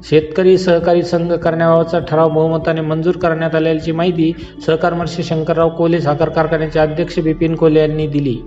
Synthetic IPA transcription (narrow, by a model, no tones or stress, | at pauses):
ɕet̪kəɾiːsəɦkaɾiːsəŋɡʱəkəɾɳjaʋaʋt͡saʈʰəɾaʋməɦumət̪anemənd͡zuːɾkəɾɳjat̪aljalt͡ɕiːmaɦit̪iː | səɦkaɾməɾɕeɕəŋkəɾːaʋkolesakəɾkaɾkəɳjat͡ɕjaəd̪ʱjəkʂəbipinkoljanːiːd̪ilḭː